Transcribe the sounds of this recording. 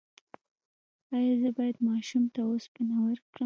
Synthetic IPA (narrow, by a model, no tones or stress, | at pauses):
ɑjɑzəbɑjad̪mɑʃumt̪aospənawəɾkɽə